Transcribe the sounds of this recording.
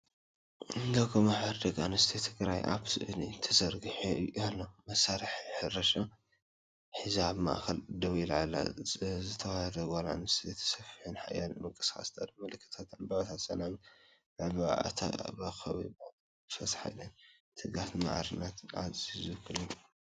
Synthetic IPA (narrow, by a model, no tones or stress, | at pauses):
ɨnd̪ɐɡomaħaɾd̪ɐɡanɨst̪ʰit̪ʰɨɡɾajʔa̰βsɨʔɨnit̪ʰɐzɐɾɡɨħalːomɐsaɾɨħjħɨrɐʃa | ħizaβma̰ʔxɐld̪ɐwilʕalːa̰zɨt̪ʰɐwahɐdɐɡala̰nɨst̪ʰit̪ʰɐ̥sɐfi̥ħɨnħajalmɨŋkʼɨ̥sxa̰st̪ʰa̰d̪mɨlɨkʰːɨ̥t̪ʰat̪ambaβt̪ʰat̪sɐnam | aβa̰ʔa̰t̪ʰa̰bɐxɐβibo | fɐsħa̰jlɐn | t̪ʰɨɡat̪ma̰ʕɾɨnːat̪ʕa̰zizɨkʰɨlɨn